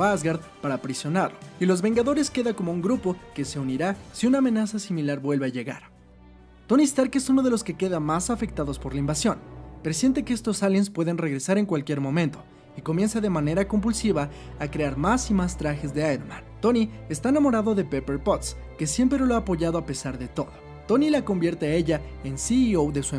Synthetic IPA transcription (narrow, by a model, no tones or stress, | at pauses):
azɣaɾðpaɾapɾisjo̞naɾlo̞ilo̞zβe̞ŋɡaðo̞ɾe̞ske̞ðako̞mo̞uŋɡɾupo̞ke̞se̞uniɾasiunaːme̞nasasimilaɾbwe̞lβeaʝe̞ɣa̰ɾ | t̪o̞nist̪aɾke̞suno̞ð̞e̞lo̞ske̞ke̞ðamasafe̞k̚t̪aðo̞spo̞ɾlaimbasjo̞npe̞ɾosje̞nt̪e̞keest̪o̞saljenspwe̞ðe̞nre̞ɣɾe̞saɾe̞ŋkwalkje̞ɾmõ̞mẽ̞nt̪o̞̥ | iko̞mje̞nsaðe̞mane̞ɾako̞mbulsiβaː | kɾe̞aɾmasimast̪ɾaxe̞zðe̞aeɾmã̰nt̪o̞niest̪aenamo̞ɾaðo̞ðe̞pe̞pe̞ɾpot̪ske̞sje̞mpɾeoloaːpo̞ʝaðo̞ape̞saɾðe̞t̪o̞ðo̞ | t̪o̞nilako̞mbje̞ɾt̪eae̞ʝae̞nsiiowðe̞sue